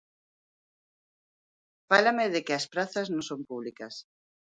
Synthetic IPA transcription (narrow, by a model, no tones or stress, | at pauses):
falɐmɪðɪkɪɐspɾaθɐznõŋsõmpuβlikɐs